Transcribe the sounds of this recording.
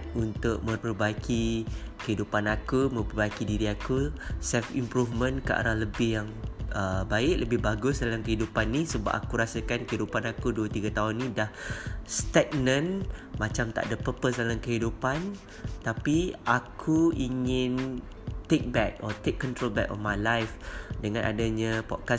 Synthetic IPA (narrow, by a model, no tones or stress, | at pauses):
unt̪ʊʔ̚mə̃pərbakʰi | kəɦidupanakumə̃pərbajkidiɾiakusɛlfḭmpɾufmə̃nkəʔa̰ɾahləbɪhjaŋʔəbaɪʔləbɪhbaɡʊsdalamkəɦidupanːisəba̰ʔ̚a̰kuɾasakankəɦidupanakuduət̪iɡat̪aɦʊnːĩdahst̪ɛk̚nə̃nmat͡ʃamt̪a̰ʔdapəpəsdalamkəɦidupan | t̪apiʔakʰuiŋɪn | t̪ek̚bɛk̚ɔt̪ekːɔnt̪ɾolbɛ̰kɔ̰nmajlajfdəŋãnʔa̰daɲapɔ̰t̚ka